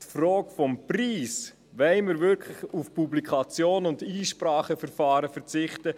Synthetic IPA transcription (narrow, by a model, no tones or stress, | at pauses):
tfrɔːkfɔmpriːs | ʋɛɪmɪɾvʏɾkʰlɪχufpublikʰɑt͡sjoːnʊndiːʃpɾɑːχəfɛɾfɑːɾəfɛɾt͡sɪχtə